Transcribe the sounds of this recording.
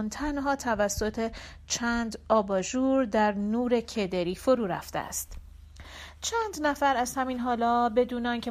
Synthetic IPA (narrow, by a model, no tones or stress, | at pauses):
nt̪ʰænɦɒːt̪ʰævæsːo̞t̪ʰe | t͡ʃʰænd̪ɒːbɒːʒuːɾd̪æɾnuːɾe̞cʰe̞d̪eɾiːfoɾuːɾæ̰ft̪ḛæ̰st̪ | t͡ʃʰænd̪næfæɾæz̥hæmiːnɦɒːlɒːbe̞d̪uːneɒːncʰe